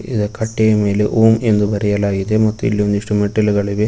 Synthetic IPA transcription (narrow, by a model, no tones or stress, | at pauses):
iðɐkɐʈːejɐmeːleʔuːmend̪ubʱɐɾɐjɐlaːjid̪emɐt̪ːuḭlːiond̪uiʂʈumeʈːɐlɡɐɭiʋe